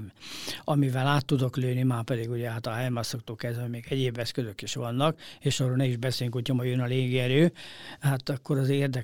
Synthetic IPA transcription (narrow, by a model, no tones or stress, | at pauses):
ɒmivɛlaːt̪ːud̪o̞kløːnimaːpɛd̪iɡuɟɛɦat̪ɒɦɛjmasokt̪oːkɛzɛmeːɡɛɟeːbːɛskøzøkiʃʋɒnːɒkeːʃɒːroːlnɛiʒbɛseːljyŋkucːomojjønɒleːɡiɛɾøːhat̪ɒkːoɾɒzeːrd̪ɛ